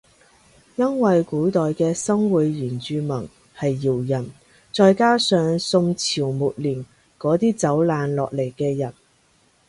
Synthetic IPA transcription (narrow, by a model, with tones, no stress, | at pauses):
jɐ˥nwɐ˨jkuː˨˥t̪ɔː˨jkɛː˧sɐ˥ŋwuː˨˧jjiː˨˩nt͡ʃyː˧mɐ˨˩ŋ | hɐ˨jːiː˨˩wjɐ˨˩n | t͡ʃɔː˧jkaː˥sœː˨˧ŋsʊ˧ŋt͡sʰiː˨˩wmuː˨t̚liː˨˩n | kɔː˨˥t̪iː˥t͡sɐ˨˥wlaː˨˧nlɔ̰ː˨k̚le˨˩jkɛː˧jɐ˨˩n